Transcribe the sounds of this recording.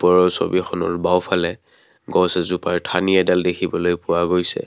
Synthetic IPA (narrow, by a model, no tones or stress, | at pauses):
pɔɹɔso̰bixɔnɔ̰ɹbawpʰalɛ | ɡɔsɛzupaɹtʰaniɛdaldekʰibɔlojpʊwaɡojsɛ̰